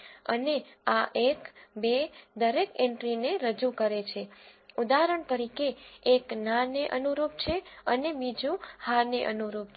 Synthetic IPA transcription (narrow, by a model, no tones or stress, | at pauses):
ə̰neaʔekbed̪əɾekeɳʈɾineɾəd͡ʒukəɾet͡ʃʰeud̪aɦɾəɳt̪əɾikeːknaneʔənuɾup̚t͡ʃʰeənebid͡ʒũhaɾneʔənuɾup